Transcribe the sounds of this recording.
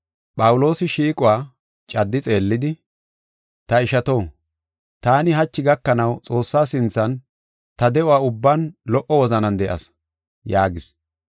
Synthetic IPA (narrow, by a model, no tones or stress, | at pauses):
pʼɐwʊlo̞ːsɪʃiːkʼʊwaː | t͡ʃʼɐd̪ːɪt͡sʼe̞ːlːɪd̪ɪ | t̪ɐɪʃɐt̪o̞ː | t̪aːnɪɦɐt͡ʃːɪɡɐkːɐnɐwt͡sʼo̞ːsːaːsɪnt͡sːɐn | t̪ɐd̪ɛʔʊwaːʊbːaːnlɔʔɔwɔzɐnɐnd̪ɛʔɐ̰s | jaːɡɪs